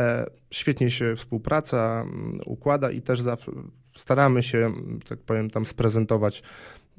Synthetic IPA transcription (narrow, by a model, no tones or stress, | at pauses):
ɕfʲjɛt̪ɲɛɕɛfspuwpɾat̪saṵkwad̪aʔḭt̪ɛʐzafʂɛ̰ | st̪aɾamɘɕɛʐɛt̪ak̚pɔvʲjɛmt̪amspɾɛzɛnt̪ɔvat͡ɕ